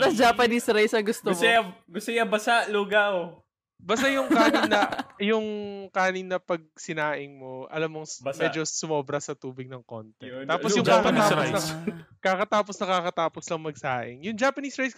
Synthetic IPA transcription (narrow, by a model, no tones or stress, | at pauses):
ɾɐd͡ʒaːpɐnisɾajsɐɡʊst̪omɡʊsɛjɐbɐsaʔluːɡɐo | baːst̪ɐjʊŋkaːnɪnɐjʊŋkaːnɪnːɐpɐɡ̚sɪnaːʔɪŋmo̞ʔɐ̰lamːoŋmɛd͡ʒosʊmoːbɾɐsɐt̪uːbɪɡ̚nɐŋko̰nt̪ɛt̪aːposjʊŋakɐt̪aːponkakɐt̪aːposnɐkakɐt̪aːposlɐŋmɐɡ̚saːʔɪ̰ŋjʊŋd͡ʒaːpɐniːsɹajs